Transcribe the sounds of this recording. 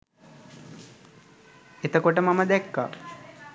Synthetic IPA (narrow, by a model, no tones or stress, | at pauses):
et̪əkoʈəmaməd̪ɛkːa̰ɾ